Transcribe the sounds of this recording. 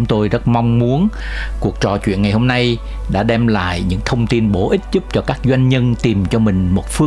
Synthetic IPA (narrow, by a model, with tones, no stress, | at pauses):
ʊ˨˦ŋ͡mt̪o˧jzə˦˥t̚ma˧wŋ͡mmu˨˦ən | ku˨˩ək̚t͡ɕɔ̰˨˩t͡ɕwḭ˧˨ənŋa˨˩jho˧mna˧j | ɗa̰ː˧˥ɗɛ˧mla̰ː˧˨jɲɨ̰˧˥ŋt̪ʰə˧wŋ͡mt̪i˧nɓo˧˥ʔï˦˥t̟̚zu˦˥p̚t͡ɕɔ˧kaː˦˥k̚zwa˧jŋ̟ɲə˧nt̪i˨˩mt͡ɕɔ˧mï˨˩ŋ̟mo˨˩t̚fɨ˧